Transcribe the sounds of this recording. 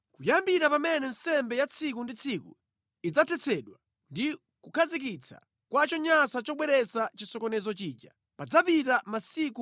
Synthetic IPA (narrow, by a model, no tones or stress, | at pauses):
kujambiɾapamɛnɛnsɛmbɛjat͡sʰikundit͡sʰikṵ | id͡zatʰɛt͡sʰɛɗwa | ndi | kukʰazik̬it͡sʰa̰ | kwat͡ʃɔɲasat͡ʃɔɓwɛɾɛsat͡ʃisɔkɔnɛzɔt͡ʃiːd͡ʒa̰ | pad͡zapitamasiku